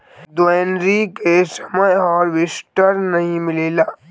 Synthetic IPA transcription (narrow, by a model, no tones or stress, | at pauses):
d̪eːnɾikesəməjɔːɾʋɪsʈəɾnɐɦĩmɪleːlaː